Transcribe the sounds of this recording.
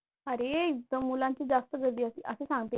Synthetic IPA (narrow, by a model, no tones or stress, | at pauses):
əɾeit̪ːəmulãɲt͡ɕiːd͡zast̪əɡəɾd̪iːəsiʔəsesãŋɡt̪e